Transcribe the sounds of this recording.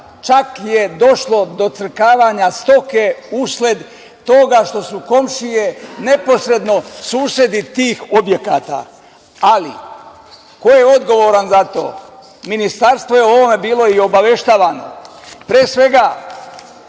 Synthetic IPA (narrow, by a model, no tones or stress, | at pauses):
t͡ʃakje̞d̪o̞ʃlo̞d̪o̞t̪sr̩kaːʋaɲast̪o̞ke̞uslʲed̪ | t̪o̞ːɡaʃt̪o̞suko̞mʃije̞ne̞po̞sɾe̞d̪no̞suːsje̞d̪it̪iːxobje̞kaːt̪a̰ː | alḭ | ko̞jeo̞d̪ɡo̞ʋo̞ːɾanzat̪o̞̰ː | minist̪aɾst̪ʋo̞jeoo̞ʋo̞me̞biːlo̞io̞baʋe̞ʃt̪aːʋaːno̞̰ | pɾeːsʋe̞ɡa